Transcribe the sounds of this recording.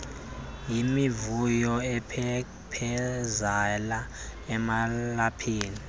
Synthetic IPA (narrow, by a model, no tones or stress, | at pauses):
jimivujɔɛpʰɛ | pʰɛzalaɛmalapʰiːni